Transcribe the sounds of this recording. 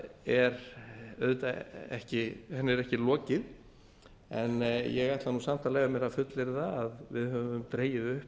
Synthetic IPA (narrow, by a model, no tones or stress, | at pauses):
ɛɾœðt̪aɛ̰hcɪhɛnːɛɾɛhcɪlɔːcɪð | ɛnjɛɣajt̪lanusam̥t̪alɛɣamjɛɾafʏt̪lɪɾθaaðvɪ̰ðhœvʏmt̪ɾeːjɪðʏhp